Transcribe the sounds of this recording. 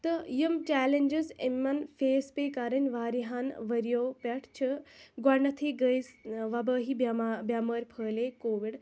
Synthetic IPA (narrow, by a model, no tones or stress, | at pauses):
t̪ɨjəmt͡ʃaːlend͡ʒizemːɐnfʰeːspeːkaɾɐnʲʋaːɾiɦanʋɐɾjoːpɐʈʰt͡ʃʰɨɡɐɳɐt̪ʰiːɡəjsʋɐbəːɦibbjaməːɾʲpʰəːleːkoːʋiɖ